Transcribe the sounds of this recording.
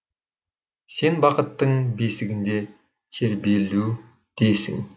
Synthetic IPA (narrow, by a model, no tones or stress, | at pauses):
se̞nbɑqət̪ːəɴbesɪɡʲɪnd̪e̞ | t̪ʰeɾbelu | d̪̥ejsɪ̰ŋ